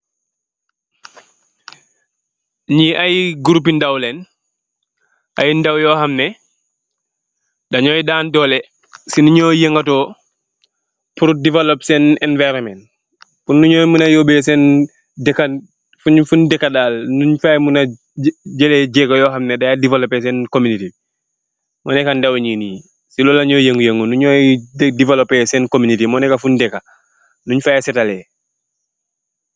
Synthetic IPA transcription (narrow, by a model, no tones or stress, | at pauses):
ɲiʔajɡuɾup̬ːindawlɛn | ʔajndawjɔːhamnɛ | daɲɔjdaːndɔːlɛ | sinuɲɔːjeŋɡatɔ | puɾudivalopsɛnɛnvɛɾɔmɛn | funːuɲɔjmunajoːbɛsɛn | dɛkːa | fuɲfundɛkːadaːlnuɲfajmuna | d͡ʒɛlɛɟɛɡajɔːhamnedajadivalopɛs̬ɛnkomuniti | mɔnɛkandawɲiːniː | silɔlaɲɔjeŋɡujeŋɡunuɲɔːjdivalopɛsɛnkominitimɔnɛkafundɛka | nuɲfajɛsɛtalɛ